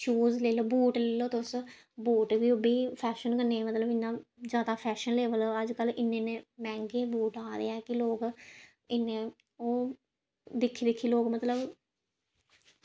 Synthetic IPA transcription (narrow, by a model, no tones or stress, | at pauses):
t͡ʃuːzleːloːbuːʈleːloːt̪eʊs | buːʈʋiːobiːpʰɛːʃənkəneːmət̪ləbɪnːãːd͡ʒaːd̪aːpʰɛːʃənleːʋəlːəd͡ʒkəlɪnːeːneːmɛ̃ːŋɡeːbuːʈaːɾḛːɛːkɪloːk | ɪnːẽː | oː | d̪ɪkʰːiːd̪ɪkʰːiːloːkmət̪ləb